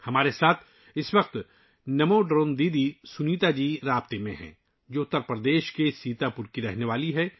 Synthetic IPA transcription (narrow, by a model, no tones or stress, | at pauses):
hɐmaːɾesaːt̪ʰ | ɪsʋɐq̚t̪ | nɐmõɖɾoːnd̪iːd̪isʊniːt̪ad͡ʒiːɾaːbt̪emẽɦɛ̰̃ː | d͡ʒoːʊt̪ːəɾpɾəd̪eːʃkesiːt̪apʊɾkiɾɛɦneʋaːliɦɛ